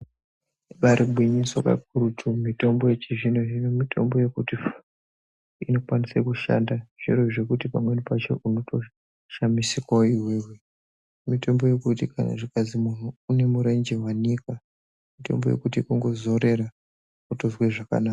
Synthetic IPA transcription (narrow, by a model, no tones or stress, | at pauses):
ɓaɾʔiɓʱwiɲiswaka̰k̚urutʰumito̞mbojet͡ʃiʐinoinomitʰo̞̰mbo̞je̞kutif | ino̞kwanisekuʃa̰ndaʐ̥iroʐekutipamwe̞nipat͡ʃo̞̰ʔuno̞to̞ | ʃamisikwaoiweɦwe | mito̞mbo̞je̞kutikana̰ʐikazimun̤uːne̞muɾe̞ɲd͡ʒe̞ɦwaɲika | mito̞̰mbo̞je̞̰kutikuŋɡo̞zo̞ɾe̞ɾa | kutozweʐaka̰naːka